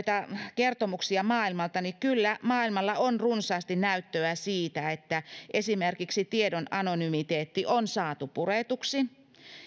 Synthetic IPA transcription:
t̪ɑkert̪omuksiɑmɑːilmɑlt̪ɑnikylːæmɑːilmɑlːɑonrunsɑːst̪innæyt̪ːøæsiːt̪æet̪ːæʔesimerkiksit̪iedonɑnonymit̪eːt̪ːiʔonsɑːt̪upuret̪uksi

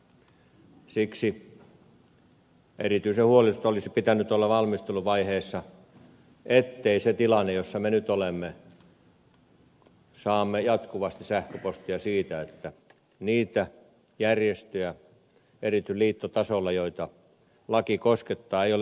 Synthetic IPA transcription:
siksi | ʔerit̪yisehuolist̪olisipit̪ænyt̪olːɑʋɑlmist̪eluʋɑiheːsːɑ | ʔet̪ːeiset̪ilɑnːejosːɑmenyt̪olemːe | sɑːmːejɑt̪kuʋɑst̪isæhkøpost̪iɑsiːt̪æet̪ːæ | niːt̪æ | jærjest̪øjæ | erit̪ˑyliːt̪ːot̪ɑsolːɑjoit̪ɑ | lɑkikosket̪ːɑːeijol

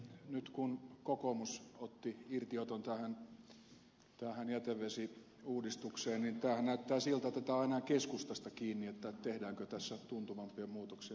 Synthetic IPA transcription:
nyt̪kunkokomusot̪ːiirt̪iot̪ont̪æhæn | t̪æːhænjæt̪eʋʋesi | uːdist̪ukseːnnint̪æːhænnæyt̪ːæːsilt̪ɑet̪ːæt̪æːɑinɑkeskust̪ɑst̪ɑkiːnːiet̪ːæt̪ehdæːŋkøt̪æsːæt̪unt̪uʋɑmpiemuːt̪oksi

